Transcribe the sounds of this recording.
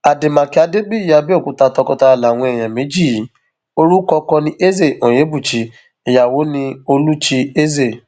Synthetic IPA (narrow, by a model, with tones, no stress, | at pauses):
a˨de˨mã˨ki˨˦a˧de˦ɡ͡bi˦˨ja˨˧bi˦o˦˨kũ˨˦ta˧tɔ˧kɔ˧ta˧˨la˨w̃ɔ̃˧ɛ˨j̃ã˨mĩ˨˦d͡ʒi˦˨i˨˦ | o˦ɾu˦kɔ˧kɔ˧nĩ˧ʔe˦ze˦˨õ˨je˨˦bu˦˨t͡ʃi˨˦ | i˨ja˨wo˨˦nĩ˧o˧lu˦t͡ʃi˧e˦ze˦˨